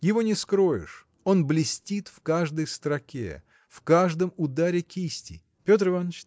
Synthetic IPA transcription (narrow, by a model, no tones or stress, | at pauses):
jɪvo̞nʲɪskɾo̞jɪ̰ʂ | o̞nblʲɪsʲtʲit̪fkaʐd̪əjst̪ɾɐkʲḛ | fkaʐd̪əmʊd̪aɾʲɪkʲisʲtʲɪ̰ | pʲo̞t̪rɨvanət͡ɕ